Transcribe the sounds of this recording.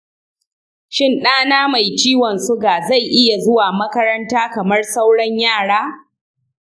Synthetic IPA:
ʃɪ˦nɗaː˦naː˦ma˨jt͡ʃiː˦wɔ˨nsʊ˦ɡaː˨za˦˨jʔɪ˦ja˨zʊ˦waː˨mɐ˦kɐ˦ɾɐ˦ntaː˦kɐ˨mɐ˦rsa˦wɽɐ˦ɲjaː˦˨ɽaː˦

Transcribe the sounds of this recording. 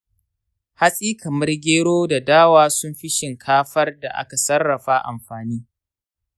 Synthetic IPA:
ha˦sʼiː˦kɐ˨mɐ˦rɡʲeː˦ɽoː˦da˨daː˦waː˦sʊ˦mɸɪ˦ʃɪ˨ŋkʰaː˦ɸɐ˦rda˨ʔa̰˦ka˨sɐ˦rːɐ˨ɸa˦ʔa̰˨mɸaː˨niː˦

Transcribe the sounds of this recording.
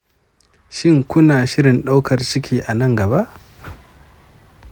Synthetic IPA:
ʃɪ˦ŋkʷʊ˦naː˨ʃɪ˦ɾɪ˨nɗa˦wkɐ˨rt͡ʃɪ˦kʲʰiː˨ʔa˨nɐ˦˨ŋɡɐ˨βa˦ʔ

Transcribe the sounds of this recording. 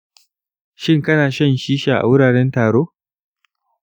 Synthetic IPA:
ʃɪ˦ŋkɐ˦naː˨ʃɐ˦˨nʃiː˦ʃaː˨ʔa̰˨wʊ˦ɽaː˨ɽɛ˦ntaː˨ɽoː˦

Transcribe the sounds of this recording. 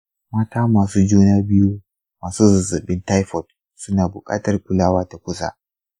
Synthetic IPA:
maː˦taː˦maː˨suː˦d͡ʒuː˦naː˦bɪ˦juː˦ | maː˨suː˦zʊ˨zɪ˨bɪ˦nta˦jɸɔ˨d | sʊ˦naː˨bʊ˨kʼa̰ː˦tɐ˨rkʷʊ˦laː˦waː˦ta˨kʷʊ˦sa̰˦ʔ

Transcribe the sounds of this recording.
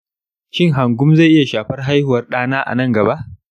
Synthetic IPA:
ʃɪ˦ŋɦa˨ŋɡʷʊ˦mza˦˨ʔɪ˦ja˨ʃaː˨ɸɐ˦rɦa˦jhʊ˨wɐ˦rɗaː˦naː˦ʔa̰˨nɐ˦ŋɡɐ˨ba˦ʔ

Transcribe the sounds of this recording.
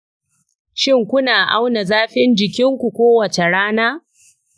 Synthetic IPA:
ʃɪ˦˨ŋkʷʊ˦naː˨ʔa̰˦wna˨zaː˦ɸɪ˦nd͡ʒɪ˨kʲɪ˦ŋkʷu˨kʷoː˦wɐ˨t͡ʃe˨ɽaː˦naː˦

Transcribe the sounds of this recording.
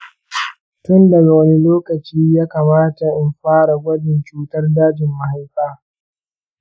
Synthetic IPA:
tʊ˦ndɐ˨ɡa˨wɐ˦ni˦loː˦kɐ˨t͡ʃiː˦jaː˦kaː˨maː˦ta˨ʔɪ˨mɸaː˦ɽa˨ɡʷɐ˦dɪ˨nt͡ʃuː˦tɐ˦rdaː˦d͡ʒɪ˨mːa˨ɦa˦jɸaː˦

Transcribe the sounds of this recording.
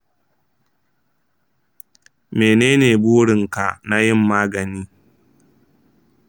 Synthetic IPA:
meː˨neː˦neː˨buː˦ɽɪ˨ŋka˨na˦jɪ˦mːaː˦ɡɐ˨niː˦

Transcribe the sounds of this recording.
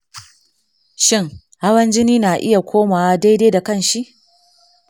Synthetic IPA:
ʃɪ˦ŋ | ha˦wɐ˦nd͡ʒɪ˦niː˦naː˨ʔɪ˦ja˨kʷʰoː˦maː˨wa˦da˦jde˦da˨kɐ˦˨nʃi˦ʔ

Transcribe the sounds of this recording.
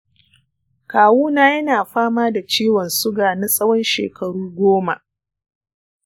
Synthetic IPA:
kaː˨wuː˦naː˦jɐ˦naː˨ɸaː˦maː˦da˨t͡ʃiː˦wɔ˨nsʊ˦ɡaː˨na˦sʼɐ˦wɔ˦nʃḛː˨kʰɐ˨ɽuː˦ɡʷoː˦ma̰˨ʔ

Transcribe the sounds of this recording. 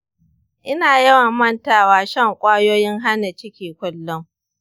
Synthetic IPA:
ʔɪ˦naː˨jɐ˦wɐ˨mmɐ˦ntaː˨waː˨˦ʃɐ˦ŋkʷʼaː˦joː˦jɪ˦ŋɦa˦na˨t͡ʃɪ˦kʲiː˨kʷʊ˦lːʊ˦ŋ

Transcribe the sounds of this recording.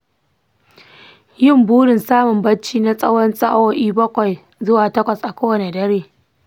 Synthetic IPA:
jɪ˦˨mbuː˦ɽɪ˨nsaː˦mʊ˨mbɐ˦t͡ʃːiː˦na˦sʼɐ˦wɔ˦nsʼa˦ʔo˦ʔiː˦bɐ˦kʷɔ˨j | zʊ˦waː˨tɐ˦kʷɐ˨sʔa˨kʷoː˦wɐ˨ne˨dɐ˦ɾeː˦

